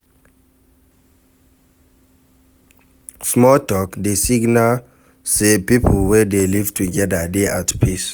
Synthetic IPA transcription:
smɔltɔkdesiɡna | sepipʰwɛdelivtʰuɡɛdədeʔatpʰis

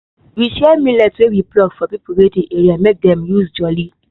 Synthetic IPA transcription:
wiʃɛmĩlɛtwewiplɔɡfɔpipuɾedĩeɾiamek̚dɛ̃mjusd͡ʒɔli

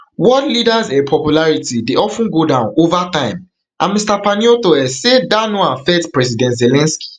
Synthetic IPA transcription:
wɔdlidazepʰɔpjulaɹitideɔfũnɡodãʊ̃novatãɪ̃m | ʔãmistapaniotoɛsedanoãfɛtpɹɛzidɛ̃ntzelɛ̃nski̥

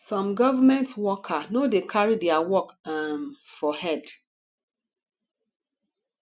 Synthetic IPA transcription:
sɔ̃mɡɔvamɛ̃ntwɔkʰanodekʰaɹidɛawɔkamfɔhɛd

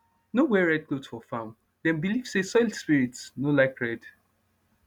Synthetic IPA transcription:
nowɛɹɛd̚klotfɔfãm | dɛ̃nbiliv̥sesɔɪlspiɹitsnolaɪkɹɛd̥

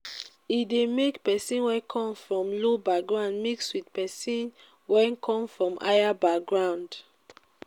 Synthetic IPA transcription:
idemekpɛsĩnwɛ̃kʰɔ̃mfɹɔ̃mlobak̚ɡɹãʊ̃ndmikswitpɛsĩn | wɛ̃nkʰɔ̃mfɹɔ̃mʔa̰jabak̚ɡɹãʊ̃nd

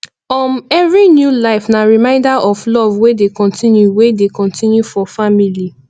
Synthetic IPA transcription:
ɔmɛvɹinjulaɪfnaɹimãɪ̃ndaʔɔflɔvwedekɔ̃ntʰĩnjuwedekɔ̃ntĩnjufɔfamili

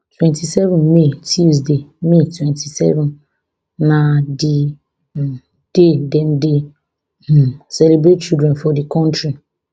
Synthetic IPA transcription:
twɛ̃ntʰisɛvɔ̃nmetʰis̬demetʰwɛ̃ntʰisɛ̰vɔ̃n | nãdi | d̥edɛ̃nde | sɛlebɾet̚t͡ʃidɾɛ̃nfɔdikʰɔ̃ntɹi

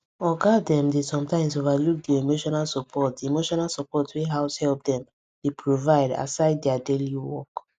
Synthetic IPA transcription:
ɔɡadɛ̃mdesɔ̃mtãɪ̃msovaluk̚diemoʃɔnalsɔpʰɔtdiemoʃɔnalsɔpɔtweɦaʊshɛlp̚dɛ̃m | d̥epʰɹovaɪda̰saɪd̚dɛadeliwɔ̰k

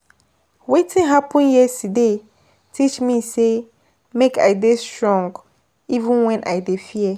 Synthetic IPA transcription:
wetʰɪ̃nɦapʰə̃njɛsude | tʰit͡ʃmĩse | mekʰa̰destɹɔ̃ŋɡ | ivə̃nwɛ̃nʔa̰ɪdefiɛ

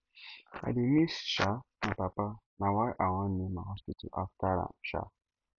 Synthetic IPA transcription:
a̰dimisʃanapapa | nawajʔawãnimahɔspitṵʔa̰ftaɾa̰mʃa̰

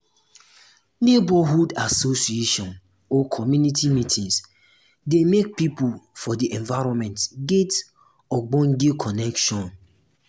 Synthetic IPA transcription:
nebɔɦudasosieʃɔ̃n | ɔkʰɔmjunitʰimitʰĩŋs | demek̚pipufɔdiʔɛ̃ɱvaɾɔ̃nmɛ̃ntɡet | ɔɡ͡bɔ̃nɡekʰɔnɛkʃɔ̃n

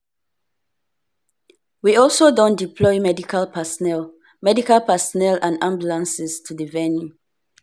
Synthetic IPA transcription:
wiɔlˠsodɔ̃ndipʰlɔɪmɛdikʰalpʰɛsnɛl | mɛdikalpɛsɔnɛlãnãmbjulãnsɪstʰudəvɛnju

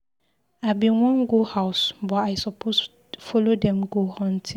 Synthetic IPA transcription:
abiwɔ̃nɡohaʊsbɔaɪsɔpʰos | fɔlodɛ̃mɡohɔ̃n̩tʰɪ̃

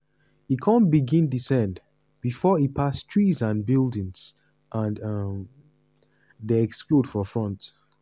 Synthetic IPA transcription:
ikʰɔ̃nbiɡĩndisɛ̃nd | b̥ifɔipʰastʰɹizãnbilˠdĩŋz̥ | ʔãnʌm | ðeɛksklod̥fɔfɹɔ̃nt

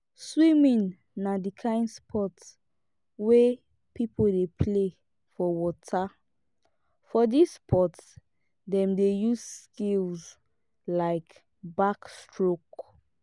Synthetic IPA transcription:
swimĩnː | adikʰãɪ̃ndspʰɔts | we | pipʰodepʰle | fɔwɔtʰa | fɔdispʰɔts | dɛ̃mdejuzskilz | laɪk | bakstɹok

